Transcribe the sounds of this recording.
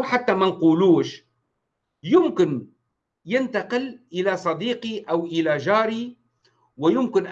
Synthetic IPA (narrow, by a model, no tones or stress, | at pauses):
ħat̪ːamanquːluːʃ | jʊmkɪn | jɪnt̪aqɪlʔɪlasˤɑd̪iːqiʔawʔɪlad͡ʒaːɾi | wɪjʊmkɪnʔ